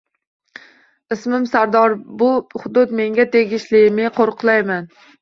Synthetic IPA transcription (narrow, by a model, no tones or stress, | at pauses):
ɪsmɪmsaɾd̪ɒɾbʊhʊd̪ʊt̪me̞ŋɡʲat̪ʰe̞ɡʲɪʃlɪmɪqʰoɾqʰlˠajman